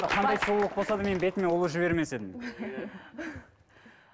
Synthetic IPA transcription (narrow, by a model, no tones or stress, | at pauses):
qʰɑnd̪ɑjsolˠəq̚bo̞sɑd̪əme̞nbe̞t̪ɪmenwolˠəʒɪβe̞ɾme̞se̞d̪ɪm